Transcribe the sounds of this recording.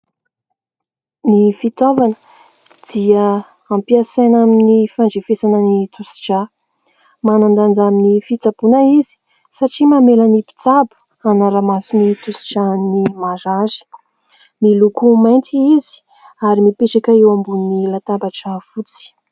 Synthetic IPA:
nifit̪ovanə̥ | d̪̥ia | ampiasajnaminnifaɳɖ͡ʐefesanənit̪usi̥ʈ͡ʂa | manand̪and͡zaminifit͡sabunəizi̥ | saʈ͡ʂimamelanipi̥t͡sab̥ | anaɾamasinit̪usi̥ʈ͡ʂanimaɾazi̥ | milukumajnt̪iizi̥ | aɾimipeʈ͡ʂakaewambunnilat̪abaʈ͡ʂafut͡si̥

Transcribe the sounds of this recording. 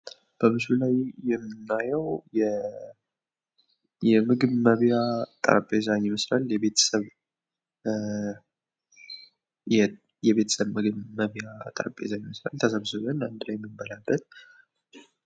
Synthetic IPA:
b̥əmɨsulajjɛmːɨnːajəwjɛ | jɛmɨɡɨβməβjat̪ʼə̰ɾpʼezaɲɪmɨslaljɛβe̞t̪ʰə̥səβ | jɛβe̞t̪ʰə̥səβmɨɡɨβməβjat̪ʼə̰ɾpʼezaɲɪməsla̰lt̪ʰəsəβsɨβənand̪ɨlajɛmːɨmbəlabːət̪̚

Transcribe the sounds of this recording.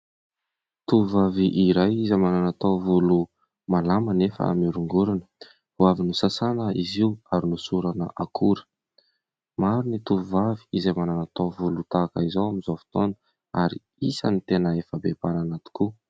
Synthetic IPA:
t̪uvaviʔiɾajizamananat̪awvulu | malamanefə̰a̰miɾuŋɡuɾanə̥ | uavinusasanəiziuaɾinusuɾanə̰ʔakʰuɾə̥ | maɾunit̪uvuvaviizamananat̪awvulut̪aːkəizawamizovi̥t̪onə̥ | a̰ɾḭ | isa̰nit̪enəefəbepananat̪u̥ku

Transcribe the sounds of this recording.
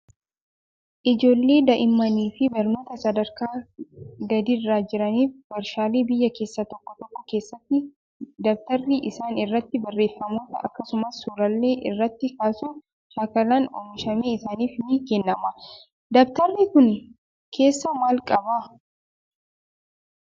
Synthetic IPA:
ʔɪd͡ʒo̞ːlːe̞ːd̪ɐʔɪmːɐniːfɪbɐɾno̞ːt̪ɐsɐd̪ɐɾkaː | ɡɐd̪irːaːd͡ʒɪɾɐniːfbɐɾʃaːleːbɪjːɐke̞ːsːɐt̪ɔkːɔt̪ɔkːɔke̞ːsːɐt̪ːɪ | d̪ɐbt̪ɐrːiʔɪsaːnɪrːɐt̪ːɪbɐrːe̞ːfːɐmo̞ːt̪ɐʔɐ̰kːɐsʊmɐsːuːɾɐlːe̞ːʔɪrːɐt̪ːɪkaːsu | ʃaːkɐlaːnɔ̰mɪʃɐmeːɪsaːniːfniːkɛnːɐmɐ | d̪ɐbt̪ɐrːikʊn | kʰe̞ːsːɐmaːlkʼɐbaː

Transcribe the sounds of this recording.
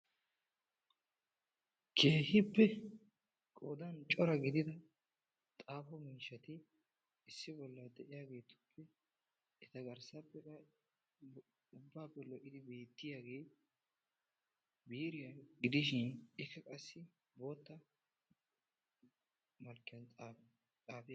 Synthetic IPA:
kʰe̞ːhɪpːɛ | kʼoːd̪ɐnt͡ʃʼɔɾɐɡɪd̪ɪd̪ɐ | t̪ʼaːfɔmiːʃːɐt̪ɪ | ɪsːɪbɔlːɐd̪ɛʔɪjaːɡe̞ːt̪ʊ̥pʰːɛ | ɛt̪ɐɡɐɾsɐpːɛkɐ | ʊbːaːpːɛlɔʔɪd̪ɪbe̞ːt̪ːɪjaːɡe̞ː | biːɾɪjaɡɪd̪ɪʃɪnɛfɛkʼɐsːɪ | bo̞ːt̪ːɐ | mɐlkːɪjɐnt͡sʼː | t͡sʼaːfɪja

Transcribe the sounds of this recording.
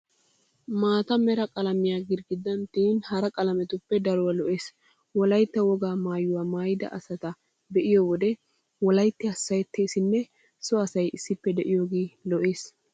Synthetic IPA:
maːt̪ɐmɛɾɐkʼɐlɐmɪjaːɡɪɾɡɪd̪ɐnt̪iːnhɐɾɐkʼɐlɐmɛt̪ʊpːɛd̪ɐɾɔwɐlɔʔe̞ːs | wɔlɐjt̪ːɐwɔɡaːmaːjʊwaːmaːjd̪ɐ̰ʔɐsɐt̪ɐ | bɛʔɪjɔwɔd̪ɛ | wɔlɐjt̪ːɪɐsːɐjt̪ʰːeːsɪnːɛ | sɔɐsɐjɪsːɪpːɛd̪ɛʔɪjoːɡeːlɔʔeːs

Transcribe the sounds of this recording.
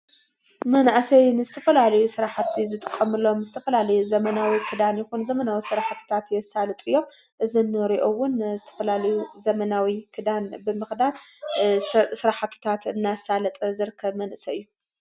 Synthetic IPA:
mɐnʔasɐjnɨzɨt̪ʰɐ̥fɐlalɐjusɨɾaħat̪ʰːizɨt̪ʼɨkʼːɐmɨlːomɨzɨt̪ʰɐfɐlalɐjuzɐmɐnawikʰɨd̪anjɛxunzɐmɐnawisɨɾaħt̪ʰːɨ̥t̪ʰat̪jɛsalɨt̪ʼɨjːo̞m | ʔɨzinːɨɾiʔowʊnzɨt̪ʰɐ̥fɐlalɐjuzɐmɐnawikʰɨd̪anbɨmɨxd̪an | sɨɾaħt̪ʰːɨ̥t̪ʰat̪ɨnːasalɐt̪ʼɐzɨɾɨkʰːɐβmɐnʔɨsɐɨjːu

